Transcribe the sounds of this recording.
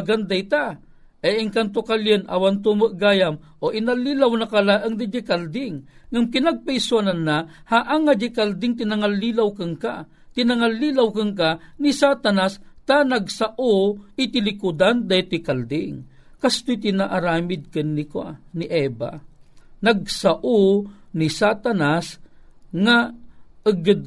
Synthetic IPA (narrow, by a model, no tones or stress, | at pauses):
ɡand̪ajt̪a | ʔɛjɪŋkant̪̬okaljənʔa̰want̪umɨʔɡaːjam | ʔoʔinalːilawnakalaʔɐŋd̪id͡ʒɪkald̪ɪŋːaŋkɪnaɡ̚pajswananːa | haʔaŋːad͡ʒɪkald̪ɪŋt̪ɪnaŋalːilawkɨŋka | t̪ɪnaŋalːilawkɨŋkanisat̪anast̪anaɡsaʔoɪt̪ɪlɪkʊd̪and̪ajt̪ɪkald̪ɪŋ | kast̪ojt̪ɪnaʔaɾaːmɪd̪̚kɨnːɪkwa̰niʔɛːba̰nɐɡ̚saʔonisat̪anasŋaɨɡɨd̪̚